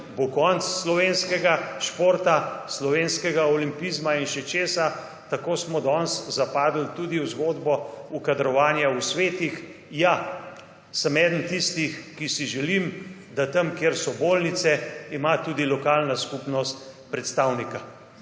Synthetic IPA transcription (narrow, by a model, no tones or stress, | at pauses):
bokɔnt̪sːlɔʋenskɛɡaʃpoːɾt̪aslɔʋenskɛɡaɔlimpizmainʃɛt͡ʃeːsa | t̪akoːsmɔd̪ɔnszapaːd̪l̩t̪ud̪iwzɡoːd̪bɔukad̪ɾɔʋaːnjausʋeːt̪ix | ja | səmɛːd̪n̩t̪ist̪ixkisiʒɛlimd̪at̪əmkjeɾsɔboːlnit̪sɛimat̪uːd̪ilɔkaːlnaskupnɔst̪ | pɾɛt̪st̪awnika